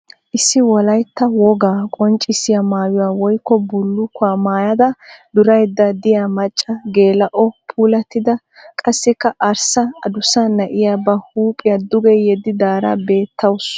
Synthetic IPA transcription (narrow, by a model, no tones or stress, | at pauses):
ʔɪsːɪwɔlɐjt̪ːɐwɔɡaːkʼɔnt͡ʃʼɪsɪjɐmaːjʊwaːwɔjkːɔbʊlːʊkʊaːmaːjɐd̪ɐd̪ʊɾɐjd̪ːɐd̪ɪjaːmɐt͡ʃʼːɐɡe̞ːlɐʔɔpʰuːlɐt̪ːɪd̪ɐ | kʼɐsːɪkːɐʔɐɾsɐɐd̪ʊsɐnɐʔɪjaːbɐhuːpʼɪjɐd̪ʊɡɛjɛd̪ɪd̪aːɾɐ̰be̞ːt̪ːɐwʊs